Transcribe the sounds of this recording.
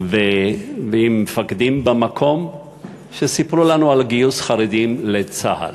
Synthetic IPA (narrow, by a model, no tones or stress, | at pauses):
veveimːefakd̪imbemakʰo̞m | ʃesipɾulanualɡijusχaʁed̪imlet͡sa̰ha̰l